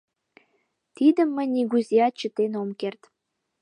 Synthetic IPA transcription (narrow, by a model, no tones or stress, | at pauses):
t̪id̪ə̆mːə̆nʲnʲiɡuzʲiɑt͡ɕə̆t̪ːenomkert̪